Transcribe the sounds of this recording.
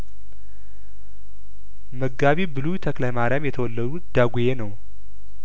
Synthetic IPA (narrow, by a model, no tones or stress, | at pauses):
məɡaβibɨlujt̪ʰəklajmaɾjamjɛt̪ʰəwɔlːəd̪ut̪d̪̥aɡujenəw